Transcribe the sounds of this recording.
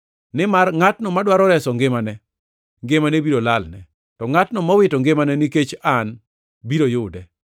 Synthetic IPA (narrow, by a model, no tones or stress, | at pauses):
nɪmarŋatnɔmadwaɾɔɾɛsɔŋɡɪmanɛ | ŋɡemanebiɾolalnɛ | tɔŋatnɔmawɪtɔŋɡemanɛniket͡ʃan | biɾojʊdɛ